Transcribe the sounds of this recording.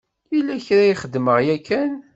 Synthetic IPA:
jilːæçɾajiχəd̪ːməʁjækʰːæn

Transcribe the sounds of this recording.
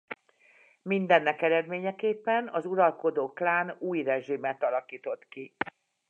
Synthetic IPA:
mind̪ɛnːɛkɛɾɛd̪meːɲɛkeːpːɛnɒzuɾɒlko̞d̪oːklaːnuːjrɛʒimɛt̪ɒlɒkiːt̪o̞t̪ki

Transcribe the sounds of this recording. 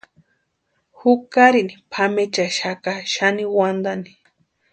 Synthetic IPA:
hukaɾinipʰamet͡ʃaʃakaʃaniwand̪ani̥

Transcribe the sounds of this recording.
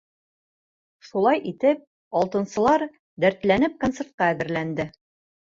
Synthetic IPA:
ʃulˠɑjʔit̪ɘp̚ | ɒlˠt̪ɤ̆nsɤ̆lˠɑɾ | d̪æɾt̪lænɘp̚kont̪se̞ɾt̪̚qɑæðɘ̆ɾlænd̪ɘ

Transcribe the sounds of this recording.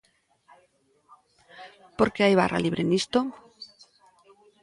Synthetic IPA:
poɾkeajβa̰ra̰liβ̞ɾenist̪o

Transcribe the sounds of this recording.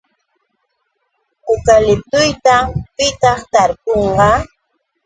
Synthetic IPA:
ʊkalɪp̚t̪ʊjt̪apɪt̪ɑχt̪aɾpoɴɢɑ

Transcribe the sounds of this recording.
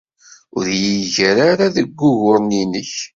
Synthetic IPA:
ʊɾjiʝəɾaɾaðəɡʷːʊʝʊɾˤninəç

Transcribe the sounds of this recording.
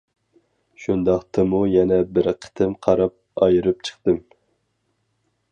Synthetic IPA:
ʃund̪ɑχt̪ʰɨmujɛnɛbɪɾqʰə̥t̪ʰɨmqʰɑɾɑp̚ɑjɨɾɨp̚t͡ʃʰə̥χt̪ɨm

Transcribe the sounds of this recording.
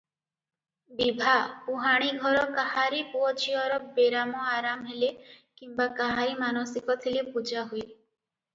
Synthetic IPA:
bibʱapuɦaɽ̃iɡʱɔɾɔkaɦaɾipuɔd͡ʒiɔɾɔbeɾamɔaɾamɦelekimbakaɦaɾimanɔsikɔt̪ʰilepud͡ʒaɦuj

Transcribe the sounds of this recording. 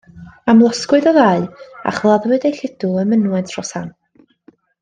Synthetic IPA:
amlˠɔskwɨðɔðaːɨa̰χvlˠaðwɨdejɬɪd̥ʊlˠəmənwɛntʰrɔsan

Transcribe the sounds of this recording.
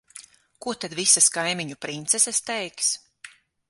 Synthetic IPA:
kuɔt̪ad̪visaskajmʲiɲupɾint̪sɛsast̪ɛjks

